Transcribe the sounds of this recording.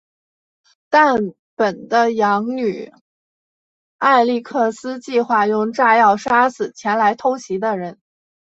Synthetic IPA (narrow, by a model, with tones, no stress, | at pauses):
t̪a˥˩n | pə˨˩nd̪ə˦jɑ˧˥ŋny˨˩˦ | a˥˧ɪli˥˧kʰɤ˥˩sɹ̩˥t͡ɕi˥˧xwa˥˩jʊ˥˧ŋʈ͡ʂa˥˧jɑ˥˩ʊʂa˥sɹ̩˨˩t͡ɕʰjɛ˧˥nla˧˥ɪt̪ʰo˥ʊɕi˧˥d̪ə˧ɻə˧˥n